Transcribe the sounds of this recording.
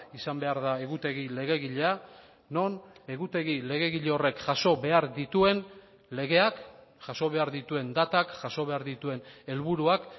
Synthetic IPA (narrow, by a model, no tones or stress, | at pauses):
isambe̞aɾðae̞ɣut̪e̞ɣ̞ile̞ɣ̞e̞ɣiʎea | no̞ne̞ɣut̪e̞ɣile̞ɣ̞e̞ɣiʎeo̞re̞kʝaso̞βe̞aɾd̪it̪ue̞n | le̞ɣe̞akʝaso̞β̞e̞aɾðit̪ue̞nd̪at̪akʝaso̞β̞e̞aɾðit̪ue̞ne̞lβuɾuak